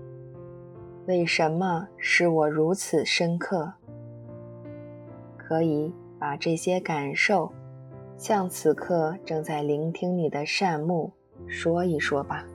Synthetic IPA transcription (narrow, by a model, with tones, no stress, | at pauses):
we˥˩ɪʂə˧˥nmə˧ʂɻ̩˥˩wɔ˨˩ɻu˧˥t͡sʰɹ̩˨˩ʂə˥nkʰɤ˥˩ | kʰɤ˧˥i˧˥ | pa˨˩ʈ͡ʂɤ˥˩ɕjɛ˥ka˨˩nʂo˥˩ʊ | ɕjɑ˥˩ŋt͡sʰɹ̩˨˩kʰɤ˥˧˩ʈ͡ʂɤ˥˧ŋt͡sa˥˩ɪli˧˥ŋt̪ʰi˥ŋni˨˩d̪ə˦ʂa˥˧nmu˥˩ | ʂwɔ˥i˨˩ʂwɔ˥ba˨